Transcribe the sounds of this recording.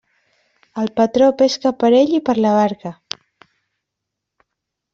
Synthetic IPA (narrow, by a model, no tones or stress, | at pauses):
əlˠpət̪ɾopeskəpəɾeʎipəɾləβ̞aɾkə